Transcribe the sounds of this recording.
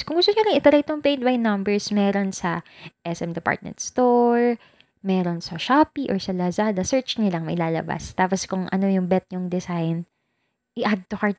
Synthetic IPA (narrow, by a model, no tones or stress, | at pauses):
kʊŋɡʊst̪oɲʊlɪŋɪt̪ɐɾɐjt̪oŋpejd̪̚wajnːɐmbɛɹsmɛːɾonsɐʔɛsɛmd̪ɛpa̰ɹt̪̚mɛ̰nt̪st̪oɹ | mɛɾonsɐʃaːpiʔɔɹsɐlɐzad̪ɐsɛɹt͡ʃnɪlɐŋmɐjlaːlɐ̰ba̰st̪aːposkʊŋʔɐ̰no̞jʊŋbɛt̪̚ɲʊŋd̪ɛsajn | ʔɪʔad̪̚t̪ʊhaɹt̪̚